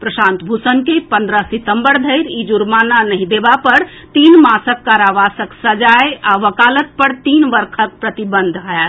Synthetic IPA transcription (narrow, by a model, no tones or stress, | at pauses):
pɾəsant̪bʱusənkepənd̪ɾəsit̪əmbəɾd̪ʱəɪɾid͡ʒuɾmananəɦĩd̪ebapəɾ | t̪inmasəkːaɾaʋasəksəd͡ʒajaʋəkalət̪̚pəɾt̪inʋəɾkʰək̚pɾət̪ibənd̪ʱɦəɛ